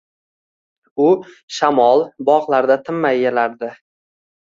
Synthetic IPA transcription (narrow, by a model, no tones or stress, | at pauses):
ʊ | ʃamɒlˠbɒʁlˠaɾd̪at̪ʰɪmːajːelaɾd̪ɪ